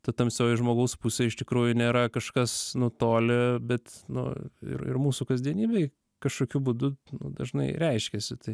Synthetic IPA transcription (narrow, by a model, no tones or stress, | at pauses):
t̪ɐt̪ɐmsjʲɛʊɪʒmoːɡɐʊspuːsʲeːɪʃt̪ʲɪkɾuːjʊnʲeːɾɐkɐʃkɐsnʊt̪oːlʲɪbʲɛt̪nʊ̰ɪ̰rɪ̰rmuːsʊkɐzʲd̪ʲiɛnʲiːbʲeɪ | kɐʃkoːkʲubud̪ʊnʊ̰d̪ɐ̰ʒnɐɪɾʲɛɪʃʲkʲɛsʲɪt̪ɐɪ